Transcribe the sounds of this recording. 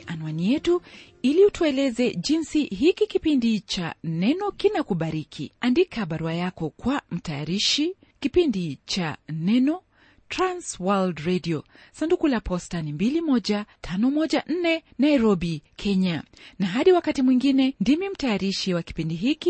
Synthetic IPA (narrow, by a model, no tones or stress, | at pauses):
ʔanuanijɛtu | iliutuɛlɛzɛʄinsiɦikikipindit͡ʃa̰nɛnɔkinakuɓaɾikʰḭandikaɓaɾuajakɔkwam̩tajaɾiʃi | kipindit͡ʃanɛnɔ | tɾanswaldɾɛdiɔ | sandukulapɔstanimbilimɔʄatʰanɔmɔʄaʔn̩nɛnaiɾɔɓikʰɛɲanaɦaɗiwakatimwiŋɡinɛndimim̩tajaɾiʃiwaki̥pindiɦiki